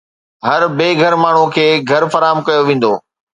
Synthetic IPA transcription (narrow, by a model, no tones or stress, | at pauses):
ɦɐɾbeːɡʱɐɾmaːɳ̤ũkʰeːɡʱɐɾfɐɾaːɦəmkɐjoʋẽːn̆d̪oː